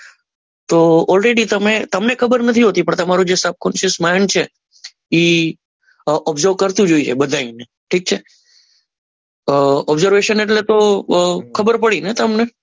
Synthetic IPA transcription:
t̪oɔlɾeɖit̪əmet̪əmnekʰəbəɾnət̪ʰiɦot̪ipəɳt̪əmaɾũd͡ʒesəb̚kɔnʃəsmaɦnt͡ʃʰe | i | ʔɔbzəɾb̚kəɾt̪ũd͡ʒoit͡ʃʰebəd̪ʱaine | ʈʰik̚t͡ʃʰe | ɔbzəɾʋeʃəneʈlet̪o | kʰəbəɾpəɽinet̪əmne

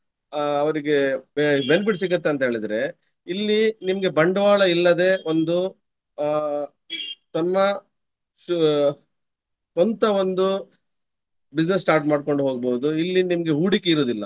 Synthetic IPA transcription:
ɐʋɐɾiɡebenbiʈsiɡɐt̪ːeɐnt̪ɐɦe̞ːɭid̪ɐɾe̞ | ilːinimɐɡe̞bɐɳɖɐʋaːɭɐilːɐd̪e̞ːo̞nd̪u | t̪ɐmːɐ | u | ont̪ɐond̪u | bid͡ʒnes̬ːʈaːɾʈmaːɖko̞ɳɖuɦoːɡ̚boːd̪uilːinimɐɡe̞ɦuːɽikːeiɾoːd̪ilːɐ

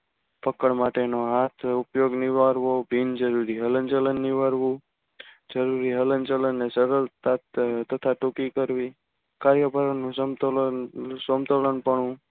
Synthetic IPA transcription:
pəkəɳmaʈenoɦat̪ʰupjoɡniʋaɾʋobʱind͡ʒəɾuɾiɦələnt͡ʃələnːiʋaɾʋũ | d͡ʒəɾuɾiɦələnt͡ʃələnːesəɾəlt̪at̪t̪ət̪ʰaʈukikəɾʋi | kaɾjəbʱəɾənːũsmt̪ | somt̪ələnpəɳũ

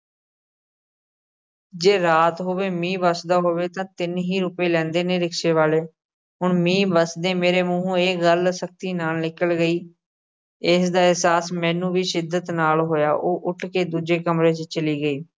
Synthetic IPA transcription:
d͡ʒeːɾaːt̪ɦoːʋeːmĩːʋəsd̪aːɦoːʋeːt̪ãːt̪ɪnɦiːɾʊpeːlɛ̃ːnd̪eːneːɾɪkʃeːʋaːleː | ɦʊɳmĩːbəsd̪eːmeːɾeːmũːɦũːeːɡəlsək̚t̪iːnaːlnɪkəlɡəiː | ɪsd̪aːɪɦsaːsmɛ̃ːnũːʋiːsɪd̪ːət̪naːlɦoːja̰ːʔoːʔʊʈʰkeːd̪uːd͡ʒeːkəmɾeːt͡ʃt͡ʃəliːɡəiː

